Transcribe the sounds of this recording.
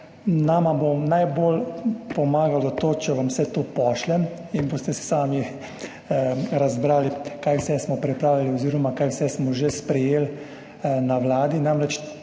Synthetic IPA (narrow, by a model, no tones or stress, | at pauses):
naːmabomnajbolpɔmaːɡalɔt̪oːt͡ʃɛʋamsɛt̪opɔːʃlɛ | inboːst̪ɛsɛ̥saːmi | ɾazbɾaːlikaːjwsɛsmɔpɾɛpɾaːwliliɔziːɾɔmakaːjwsɛsmɔʒespɾɛjeːl | naʋlaːd̪inamɾɛt͡ʃ